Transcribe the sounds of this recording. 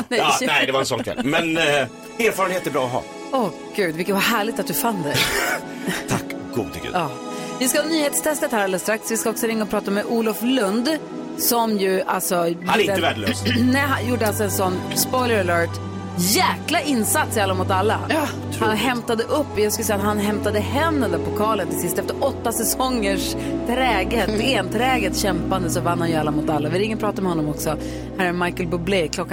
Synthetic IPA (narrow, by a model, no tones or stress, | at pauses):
nɛnɛɪd̪ɛvaɾɛnsɔnkʰvɛ̰lmɛn | eːɾfɑɾənheːt̪ɛɾbɾɑ̰ːɔɦɑ̰ː | ɔ | ɡ̥ʉ̟ːd̪vɪkːət̪vaɦæːɭɪɡ̚t̪at̪d̪ɵfand̪ɛ | t̪ʰakːɡ̥ṵːd̪t̪ʰʏ̰kːʉ̰ɑː | vɪskahɑnyːheːt̪st̪ʰɛst̪ət̪hæɾɛlːəst̪ɾaksvɪskaɔksɔɾɪŋːaɔpʰɾɑːt̪amɛʔuːlɔflɵnd̪ | sɔmjɵa̰lsɔbd̪ɪd̪ɛəvæːɖəløsnɛɦajuːɖəalsɔɛnsɔnːspɔjləɾalœːʈ | jæːklaʔɪnːsat̪sjɛːlamʊt̪alːa | hanɦɛmt̪ad̪əʔɵpːjɑɡskɯləsɛjat̪hanɦɛmt̪ad̪əhɛmd̪ənd̪ɔɾpɔkʰɑːlənt̪ɪsɪst̪ɛft̪əɾɔt̪ːasɛsɔŋːəʂ | t̪ʰɾɛːɡət̪ɛeːnt̪ʰɾɛːɡət̪ɕɛmpand̪əsɔvanːhanjʏalːamʊt̪alːavɪɾɪŋːəɾpʰɾɑːt̪amɛhɔnːɔmɔksɔ | hæːɾɛmajkəlbɵblɛjkʰlɔkː